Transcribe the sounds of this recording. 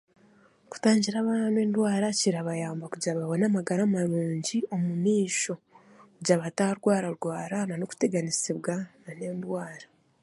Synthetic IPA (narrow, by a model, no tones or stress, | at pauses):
ku̥taːɲɟiɾaβananweːndwaːɾaciɾaβajaːmbakuɟaβaβonamaɡaɾamaɾuːɲɟio̞mumiːʃo̞ | kuɟaβataɾɡwaːɾaɾɡwaːɾananoku̥te̞ɡanisiβɡanane̞ːndwaːɾa